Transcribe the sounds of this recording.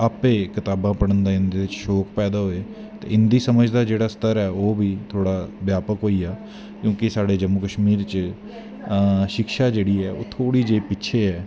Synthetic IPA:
apeːkɪt̪aːbãːpəɽənd̪aːɪnd̪eːɪt͡ʃʃoːkpɛːd̪aːɦoːeː | t̪ḛːɪnd̪iːsəməd͡ʒd̪aːd͡ʒeːɽaːst̪əɾɛːoːbiːt̪ʰoːɽaːbjaːpəkɦoːiːaː | kjõːkɪsaːɖeːd͡ʒəmukəʃmiːɾt͡ʃ | ʃɪkʃaːd͡ʒeːɽiːɛːo̰ːt̪ʰoːɽiːd͡ʒeːpɪtːʃʰeːɦɛː

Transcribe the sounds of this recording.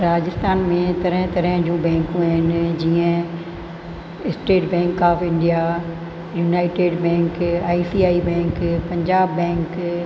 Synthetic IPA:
ɾaːd͡ʑɪst̪aːnmẽt̪ɐɾə̃ɦɪ̃t̪ɐɾə̃ɦd͡ʑũːbɛ̃ːŋkũaɪnd͡ʑiːə̃ | ɪsʈeːʈbɛ̃ːŋkaːfɪ̃ɳɖija | juːnaːɪʈeːɖbɛ̃ːŋkaːisiːaːibɛ̃ːŋkpɐ̃ɲd͡ʑaːbːɛ̃ːŋk

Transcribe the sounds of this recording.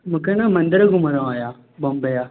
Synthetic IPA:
mũkʰenãmɐ̃nd̪əɾɡʱʊməɾõaːjaː | bɐmbəjaː

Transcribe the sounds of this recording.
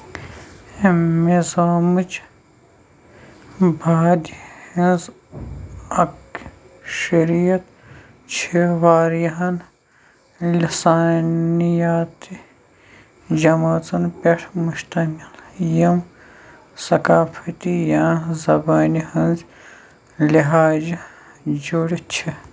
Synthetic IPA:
mezaːmut͡ʃ | baːd̪ihinz | ɐk | ʃɐɾijɐt̪ | t͡ʃʰeʋaːɾjɐɦɐn | lisaːnijaːt̪i | d͡ʒɐmaːt͡sɐnpeʈʰmuʃt̪ɐmiljim | sɐkaːfʰɐt̪ijaːzɐbaːnihinz | liɦaːd͡ʒ | d͡ʒuɽit͡ʃʰi

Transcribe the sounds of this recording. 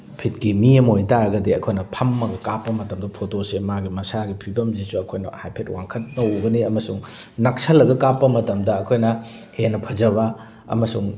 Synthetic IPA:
pʰit̚kimiɐmojtaɾɐɡɐdiɐkʰojnɐpʰɐmːɐɡɐkapːɐmɐtɐmdɐpʰotosemaɡimɐsaɡipʰibɐmzisuɐkʰojnɐ̰hajpʰet̚waŋkʰɐt̚nɐoɡɐniɐmɐsuŋ | nak̚sɐlːɐɡɐkapːɐmɐtɐmdɐɐkʰojnɐ | henɐpʰɐzɐβɐ | ɐ̰mɐsuŋ

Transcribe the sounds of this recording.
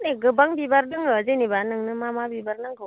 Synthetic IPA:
neɡɯbaŋbibaɾnɯŋɯzenibanɯŋnɯmamabibaɾnɯŋɡɯ

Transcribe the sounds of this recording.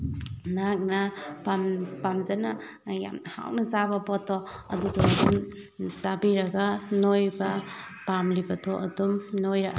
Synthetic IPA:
nak̚napampamzɐna | ja̰mha̰wnɐzabɐbɔtʰɔɐ̰dudɔɐdum | zabiɾɐɡanojbɐ | pamlibɐtʰɔʔɐ̰dumnojɾaɡa̰

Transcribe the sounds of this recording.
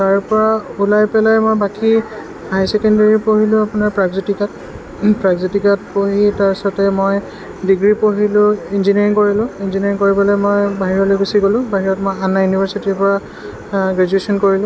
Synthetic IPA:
taɹpɔɹaulajpɛlajmojbaki | ɦajsɛkɔndeɹipoɦilʊ̃apʊnaɹpɹaɡzitikat | pɹaɡzitikat̚poɦitaɹsɔtɛmoj | diɡɹipoɦilʊ̃inziniɹiŋkoɹilʊ̃inziniɹiŋkoɹibɔlɔjmojbaɦiɹɔlojɡusiɡolʊ̃baɦiɹɔtmojanːajunibʱaɹsitiɹpɔɹa | ɡɹad͡ʒuesɔnkoɹilʊ̃

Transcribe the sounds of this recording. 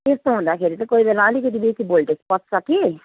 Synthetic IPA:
est̪oɦũnd̪akʰeɾit̪ʌkoibeɾaːliket̪ibesibolʈesi̥pʌt̪saki

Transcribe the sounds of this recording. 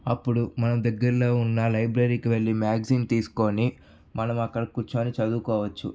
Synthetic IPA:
ɐpːuɽumɐnɐmd̪ɐɡːɐɾlo̞ːunːɐlɐjbɾɐɾiːkiʋe̞ɭːimaːɡɐsiːnt̪iːsu̥ko̞ːni | mɐnɐmɐkːɐɽɐkuɾt͡ʃoːnit͡ʃɐd̪uːkɔːʋɐt͡ʃːṵ

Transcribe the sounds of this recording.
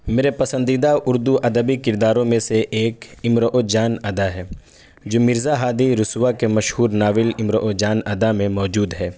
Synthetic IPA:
meːɾepɐsə̃nd̪id̪aʔʊɾd̪uʔɐd̪əbikɪɾd̪aːɾõmẽseʔeːkɪmɾəʔod͡ʒaːnɐd̪aɦɛː | d͡ʒoːmɪɾzaɦaːd̪iɾʊswakemɐʃhuːɾnaːʋɪlɪmɾəʔod͡ʒaːnɐd̪amẽmɔːd͡ʒuːd̪ɦɛː

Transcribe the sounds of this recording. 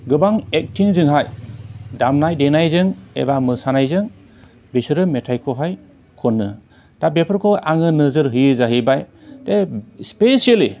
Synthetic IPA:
ɡɯbaŋek̚tʰiŋzɯŋɦajdamnajdenajzɯŋḛbamɯsanajzɯŋ | bisɯɾɯmetʰajkʰɔɦaj | kʰɔnːɯ | tabepʰɯɾkʰɔaŋɯnɯzɯɾɦɯjɯzaɦibaj | tespesiali

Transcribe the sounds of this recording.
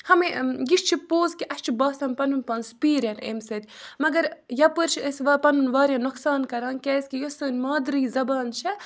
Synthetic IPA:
hɐmejiʃt͡ʃʰipoːzkiʔɐʃt͡ʃʰibaːsɐnpɐnunpɐnspiːɾɐnḛmsɐd̪ʲmɐɡɐɾjɐpɨɾt͡ʃʰəsʋɐpɐnunʋaːɾʲjanoksaːnkɐɾaːnkɛːskijosɨːnʲmaːd̪ɾiːzɐbaːnt͡ʃʰɐ

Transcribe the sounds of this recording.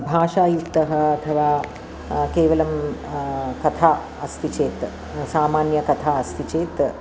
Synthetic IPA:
bʱaːʃaːjukt̪ɐɦɐ̆ɐt̪ʰɐʋaː | keːʋɐlɐm | kɐt̪ʰaː | ɐst̪ʰit͡ʃeːt̪ | saːmaːnjɐkɐt̪ʰaːɐst̪ʰit͡ʃeːt̪

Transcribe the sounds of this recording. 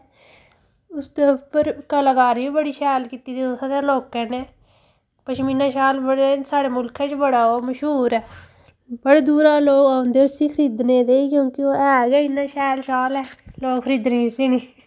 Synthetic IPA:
ʊst̪epəɾkəlaɡaːɾiiːbəɽiːʃɛːlkiːt̪iːd̪iːosaːd̪eːloːkɛ̃ːneː | pəʃminãːʃaːlbəɽeːsaːɽeːmʊlkʰɛ̃ːt͡ʃbəɽaːoːməʃɦuːɾɛː | bəɽeːd̪uːɾaːloːkãːʊ̃nd̪eːʊsiːkʰəɾiːd̪nẽːd̪eːkjõːkɪoːɛːɡɛːɪnːãːʃɛːlʃaːlɛːloːkkʰəɾiːd̪neːisiːneː

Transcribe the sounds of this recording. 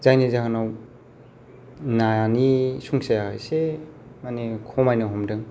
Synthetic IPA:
zajnizaɦanaw | najanisuŋsajaɦɯ̰jse | manekʰɔmajnaɦɔmdɯŋ

